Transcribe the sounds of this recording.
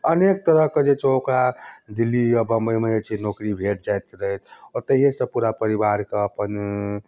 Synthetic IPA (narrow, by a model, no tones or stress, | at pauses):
ənek̚t̪əɾəɦked͡ʒet͡ʃokɾad̪ilːiɔbəmbəjmeet͡ʃʰinokɾibʱeʈ̚d͡ʒajt̪ɾəɦɛt̪ʰɔt̪əɦiɦesə̃puɾapəɾibaɾkeəpən